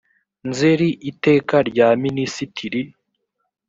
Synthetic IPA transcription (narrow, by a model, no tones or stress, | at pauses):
nzeɾiʔite̞ːkaɾɟaːminisitʰiɾi